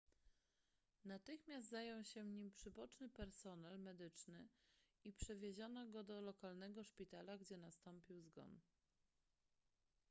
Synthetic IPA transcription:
nat̪ɘxmʲjast̪zajɔwɕɛvɲimpʂɘbɔt͡ʂnɘpɛɾsɔnɛlmɛd̪ɘt͡ʂnɘ | ipʂɛvʲjeʑɔnɔɡɔd̪ɔlɔkalnɛɡɔʂpʲit̪alaɡd͡ʑɛnast̪ɔmpʲiwzɡɔ̰n

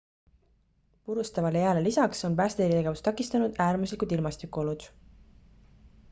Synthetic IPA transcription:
puɾust̪ɑvɑlejæːlelisɑkso̞npæːst̪eɾit̪e̞ɡe̞vust̪ɑkːˑist̪ɑnud̪̥æːrmuslikud̪̥ilmɑst̪ikːˑuo̞lud̪̥

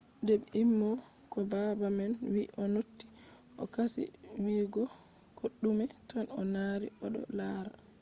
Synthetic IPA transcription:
dɛbimːɔ | kɔbabamɛnwiʔɔnotːi̥ | ʔɔkasḭ | wiːɡɔ | koɗːumɛtanɔnaːɾḭɔɗɔ̰laːɾa

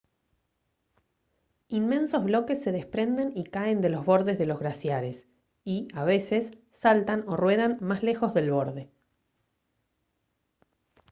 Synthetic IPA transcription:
inmẽ̞nsozβlo̞ke̞sːe̞ð̞espɾe̞nd̪e̞nikae̞nd̪e̞lo̞zβo̞ɾðe̞zðe̞lo̞zɣɾasjaɾe̞s | iaβ̞e̞se̞sː | alt̪ano̞rwe̞ð̞anmasle̞xo̞zðe̞lβo̞ɾðe̞

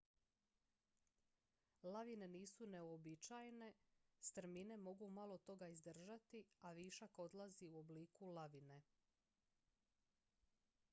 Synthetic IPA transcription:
laʋine̞niːsune̞obit͡ʃajne̞st̪ɾ̩mine̞mo̞ɡumalˠo̞t̪o̞ɡaizd̪r̩ʒat̪iaʋiːʃako̞d̪lˠaziuo̞bliːkulaʋine̞

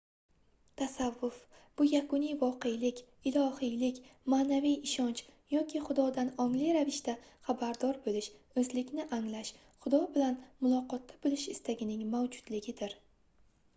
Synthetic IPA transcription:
t̪ʰasavːʊfb̥ʊjakʊnijvɒqejlɪkʲ | ɪlˠɒhijlɪkʲmaːnavijɪʃɒnt͡ʃjɒkʲʰɪχʊd̪ɒd̪anɒŋlijɾavɪʃt̪aχabaɾd̪ɒɾbolɪʃ | ɵzlɪkʲnɪʔaŋlaʃ | χʊd̪ɒbɪlanmʊlˠɒqɒt̪ːabolˠɪʃɪst̪ʰaɡʲɪnɪŋmawd͡ʒʊd̪̥lɪɡʲɪd̪ɪɾ

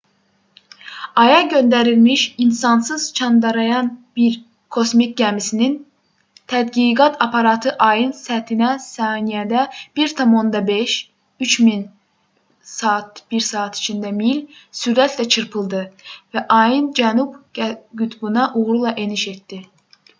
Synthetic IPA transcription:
ɑjɑɟø̞nd̪æɾilmiʃinsɑnsɯz̥t͡ʃʰɑnd̪ɑɾɑjɑnb̥iɾ | kʰo̞smik̚ʲɟæmisinin | t̪ʰæd̪ɡiɡɑt̪ʰɑpʰɑɾɑt̪ʰɯʔɑjɯnsæt̪ʰinæsɑːnijæd̪æb̥iɾt̪ʰɑmo̞nd̪ɑbeʃ | yt͡ʃmin | sɑt̪b̥iɾsɑːt̪ʰi̥t͡ʃʰind̪æmilsyɾæt̪ʰlæt͡ʃʰɯɾpʰɯlˠd̪ɯvæʔɑjɯnd͡ʒænubɡyt̪ʰbunɑʔuɣɾulˠɑʔe̞niʃe̞t̪d̪i

